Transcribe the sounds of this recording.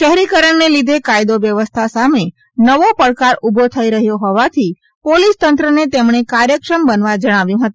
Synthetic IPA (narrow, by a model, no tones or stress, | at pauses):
ʃəɦɾikəɾəɳnelid̪ʱekajd̪oʋjəʋəst̪ʰasame | nəʋopəɽkaɾubʱot̪ʰəiɾəɦjoɦɔʋat̪ʰi | polist̪ənt̪ɾənet̪emɳekaɾjəkʂəmbənʋad͡ʒəɽ̃aʋjũɦət̪ũ